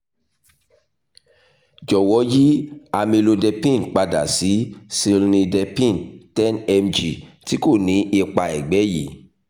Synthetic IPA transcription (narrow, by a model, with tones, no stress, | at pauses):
d͡ʒɔ˨wɔ˨˦ji˦a˧mĩ˧lo˧dɛ˧pĩ˦˨n˨k͡pa˧da̰˨si˨˦si˧lnĩ˧dɛ˧pĩ˦˨ntɛ˦nɛ˧md͡ʒi˨ti˨˦ko˦˨nĩ˨˦ʔe˧k͡pa˧˨ɛ˨ɡ͡bɛ˨˦jḭ˨˦